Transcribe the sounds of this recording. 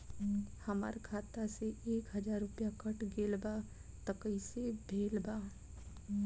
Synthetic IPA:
həma̰ɾkʰaːt̪aseeːkɦəd͡ʒaːɾːʊpjakəʈɡeːlba | t̪əkəisebʱeːlbaː

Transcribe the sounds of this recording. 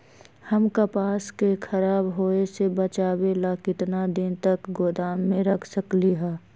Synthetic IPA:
hɐmkɐpaːskekʰɐɾaːbɦoːesebɐt͡ʃaːwelakɪt̪nad̪ɪnt̪əkɡoːd̪aːmːẽɾɐkʰsəkliɦɛː

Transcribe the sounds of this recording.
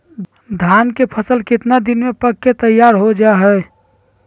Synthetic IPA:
d̪ʱankepʰəsəlkɪt̪nad̪inmepəkːet̪əjːaɾɦod͡ʒaɦɛ

